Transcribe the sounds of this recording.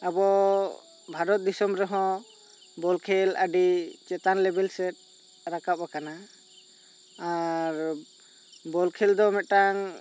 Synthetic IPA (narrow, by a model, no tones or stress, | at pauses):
abɔ | bʱaɾɔt̪̚d̪isɔmɾɛɦɔ̃ | bɔlkʰɛlaɖit͡ʃɛt̪anlɛbɛlsɛt̪̚ | ɾakap̚akana | aɾ | bɔlkʰɛld̪ɔmɛt̪̚ʈaŋ